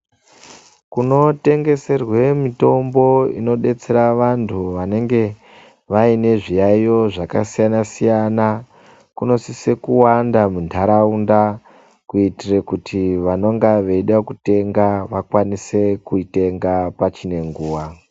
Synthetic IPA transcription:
kuno̞te̞ŋɡe̞se̞rwe̞mito̞mbo̞ḭno̞ɗe̞t͡se̞ɾaʋantʰuʋane̞ŋɡe̞ | ʋaine̞ʐijajo̞ʐakasijanasijana | kuno̞sise̞kuwandamuntʰaɾaunda | kuitirekutʰiʋano̞ŋɡaʋe̞iɗakute̞ŋɡaʋakwanise̞kuite̞ŋɡapat͡ʃine̞ŋɡuːwa

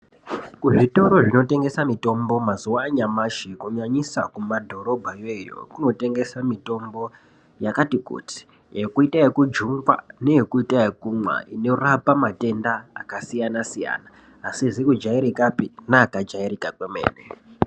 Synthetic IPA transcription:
kuʐito̞ɾoʐino̞te̞ŋɡe̞samito̞mbo̞mazuwaːɲamaʃikuɲaɲisakumadʱo̞ɾo̞bʱajejo̰kuno̞te̞ŋɡe̞samito̞mbo̞ | jakatikṵti̥ | ekuitaekud͡ʒuŋɡwa̰ne̞jekuitaekumwa̰ʔino̞rapamate̞nda̰ːkasijanasija̰ːnaː | sizikud͡ʒaiɾikapinaːkad͡ʒaiɾikakwemḛːne

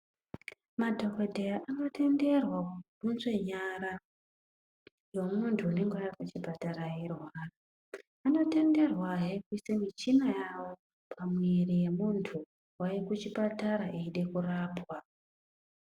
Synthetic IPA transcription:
madʱo̞ko̞dʱejaʔano̞tʰe̞nde̞rwakuɗunzwe̞ɲaɾa | jo̞muntʰuane̞ŋɡewajakut͡ʃipataɾaje̞rwaːra | ano̞te̞nde̞rwaɦekuisemit͡ʃinajawo̞ | pʰamwerije̞muntʰu | waekut͡ʃipataɾaʔeiɗe̞kuraːpwa

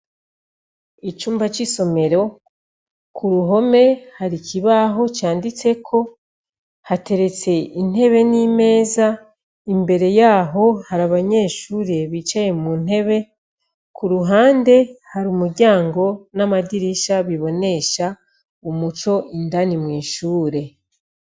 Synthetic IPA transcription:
it͡ʃuːmbat͡ʃiso̞me̞ɾo̞ | kuɾuɦo̞me̞haɾiciβaɦo̞t͡ʃaːndit͡se̞kʰo̞ | hate̞ɾe̞t͡se̞in̥he̞βe̞niːme̞ːza | imbe̞ɾe̞jaːɦo̞haɾaβaɲe̞ːʃuːɾe̞βit͡ʃaje̞mun̥e̞βe̞ | kuɾuɦaːnde̞haɾuːmuɾɟaːŋɡo̞namadiɾiʃaβiβo̞ne̞ʃa | umut͡ʃo̞ʔindanimwiːʃuːɾe̞

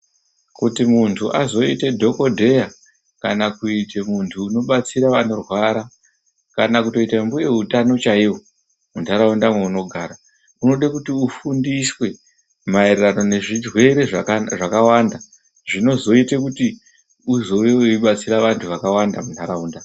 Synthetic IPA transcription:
kutimuntʰuʔazo̞ite̞dʱo̞ko̞dʱe̞ja | kanakuitemuntʰuːno̞ɓat͡siɾaʋano̞rwaɾa | kanakuto̞itambuje̞ɦutano̞t͡ʃaiwo̞ | muntʰaɾaundamweuno̞ɡʱaɾa | uno̞ɗakutiufundiswe̞ | maererano̞ne̞ʐidwe̞ɾe̞ʐaʐakawanda | ʐino̞zo̞itekuti | uzo̞ʋewiɓat͡siɾaʋantʰuʋakawandamuntʰaɾauːnda

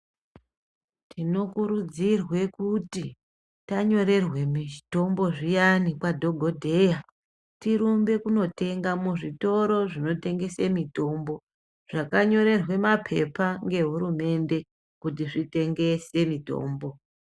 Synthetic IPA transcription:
tʰino̞kuɾud͡zirwe̞kuti | taɲo̞ɾe̞rwe̞miito̞mbo̞ʐijanikwadʱo̞ɡʱo̞dʱe̞ja | tiɾumbe̞kuno̞te̞ŋɡamuʐito̞ɾo̞ʐino̞te̞ŋɡe̞semito̞mbo̞ | ʐ̥akaɲo̞ɾe̞rwe̞mapʰe̞paŋɡe̞ɦuɾume̞nde̞ | kut̬iʐite̞ŋɡe̞se̞mito̞̰ːmbo̞

